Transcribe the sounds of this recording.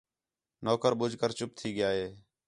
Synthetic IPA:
noːkəɾɓʊd͡ʒʱkəɾt͡ʃʊp̚t̪ʰiːɠɪjaːɦeː

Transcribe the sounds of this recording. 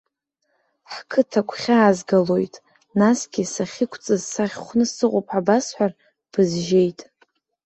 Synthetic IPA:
ħkʰɨtʰakʷʰχʲaːzɡalo̞jtʼ | nasɡʲɪsaχʲɪkʷʰt͡sʼɨzsaχʲχʷnɨsɨqʷʼopʼʰabasħʷar | b̥ɨzʒe̞jtʼ

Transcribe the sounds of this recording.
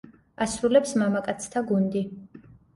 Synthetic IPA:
asɾulɛpsmamakʼat̪sʰt̪ʰaɡund̪i

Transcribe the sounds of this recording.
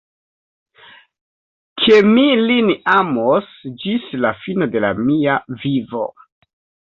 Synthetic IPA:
kʰe̞milinamosd͡ʒislafino̞de̞la̰miavivo̞̰

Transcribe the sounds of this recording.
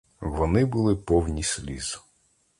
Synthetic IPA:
ʋɔnɪbʊlˠɪpɔwnʲisʲlʲḭzʊ̥

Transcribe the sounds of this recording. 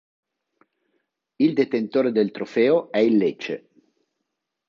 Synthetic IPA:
ild̪et̪ent̪oːɾed̪elt̪ɾofɛːoɛilːet͡ʃḛ

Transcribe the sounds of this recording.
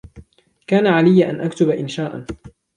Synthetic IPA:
kaːnaʕalɪjːʔa̰nʔakt̪ʊbaʔɪnʃaːʔa

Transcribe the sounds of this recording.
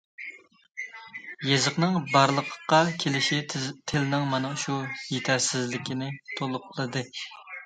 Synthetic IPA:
jezəqnɨŋbɑɾlˠəqʰqːɑkʲʰelɪʃit̪ʰɪlnɪŋmɑnɛʃujet̪ʰæɾsɪzlɪkʲʰinɪt̪ʰolˠʊqʰːəlˠɨd̪ɨ

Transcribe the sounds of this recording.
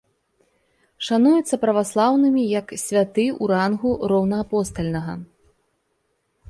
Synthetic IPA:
ʂanujɛt̪sːɐpɾɐvaslˠawnɨmʲijɐksʲvʲat̪ɨuɾanɣuɾɔwnɐːpɔst̪ɐlʲnɐɣɐ

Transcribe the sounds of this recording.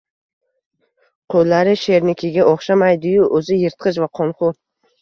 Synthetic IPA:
qʰolːaɾɪʃe̞ɾnɪkʲʰɪɡʲaʔɒχʃamajd̪ʊjʊʔɵzɪjɪɾt̪̚qʰɨʃ̬vaqʰɒnχʊ

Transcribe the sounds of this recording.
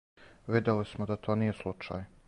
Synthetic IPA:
ʋid̪elismod̪at̪ʰoːnije̞slˠut͡ʃa̰ːj

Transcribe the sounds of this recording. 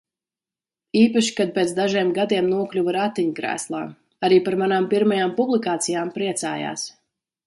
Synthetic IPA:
iːpaʃi̥kad̪̚peːt̪sd̪aʒiɛmɡad̪iɛmnuɔklʲuvaɾat̪ːiɲkɾæ̰ːslˠa̰ː | aɾiːpaɾmanaːmpiɾmajaːmpublˠikaːt̪sijaːmpɾiɛt̪sa̰ːja̰ːs

